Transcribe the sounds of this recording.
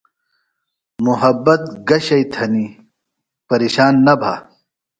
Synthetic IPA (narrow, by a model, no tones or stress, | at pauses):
muɦɐbːɐt̪ɡɐɕɐjt̪ʰɐni | pɐɾeːɕaːnːɐbʱa̰ː